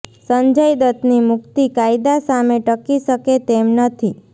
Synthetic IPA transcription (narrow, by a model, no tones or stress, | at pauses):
səɲd͡ʒəjd̪ət̪nimʊkt̪ikajd̪asameʈəkiʃəket̪emnət̪ʰi